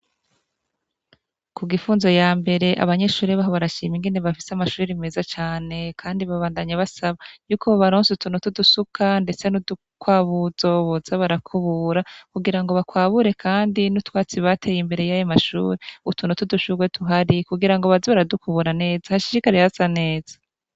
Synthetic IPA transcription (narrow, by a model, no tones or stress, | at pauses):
kuɡifuːnzojaːmbe̞ɾe̞ʔa̰βaɲe̞ʃuːɾiβaɦoβaɾaʃḭːmiŋɡeneβafiseamaʃuːɾime̞ːzat͡ʃaːne̞kʰaːndiβaβaːndaɲaβasaβajuːkʰoβoβaɾoːnsutunotudusukʰande̞t͡se̞nudu | kwaːβuzo̞βozaβaɾakʰuβuɾakuɡiɾaŋɡo̞βakwaːβuɾe̞kʰaːndinutwaːt͡siβatʰe̞jimbe̞ɾe̞jajomaʃṵːɾeutunotuduʃuɡwe̞tuɦaɾikuɡiɾaŋɡo̞βaziβaɾadukuβuɾane̞ːzahaʃiɾikaɾehazane̞ːz̥ḁ